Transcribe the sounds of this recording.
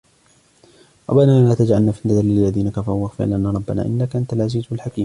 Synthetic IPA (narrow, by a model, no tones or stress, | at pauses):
ɾˤɑ̰banaːʔanaːt̪ad͡ʒʕalnaːfinːad̪aɾɪlːaðiːnakafawaɣfɪ̰ʕlʔanaːɾˤɑbːana̰ːʔɪnːakʔant̪alʕaziːzwɪlħakiːm